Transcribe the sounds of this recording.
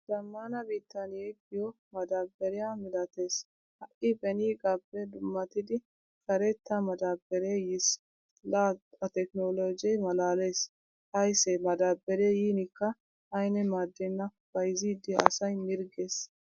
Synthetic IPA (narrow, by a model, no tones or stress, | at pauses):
d͡ʒɐmːaːnɐbiːt̪ːɐnjeɡɪjɔ | mɐd̪aːbːɛɾɪjamɪlɐt̪e̞ːs | hɐʔɪbɛniːɡʼɐbːɛd̪ʊmːɐt̪ɪd̪ɪ | sɐɾɛt̪ːɐmɐd̪aːbːɛɾejɪs | laːɐt̪ɛknoːlod͡ʒɛjmɐlaːle̞ːs | t̪ɐjsɛmɐd̪aːbːɛɾejiːnɪkːɐ | ɐjnɛmaːd̪ːɛnːɐ | b̥ɐjɪziːd̪ɪɐ̰sɐjmɪɾɡeːs